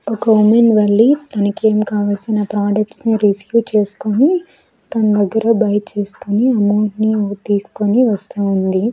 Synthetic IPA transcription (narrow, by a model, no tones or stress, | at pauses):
okɐʋomenʋɐɭːit̪ɐnɐke̞ːmkaːʋɐlsinɐpɾaːɖɐk̚ʈsniɾiskjuːt͡ʃe̞ːsu̥koni | t̪ɐnɐd̪ɐɡːɐɾɐbɐjt͡ʃe̞ːsu̥kuniɐmoːɖnit̪iːsu̥koniʋɐst̪uund̪i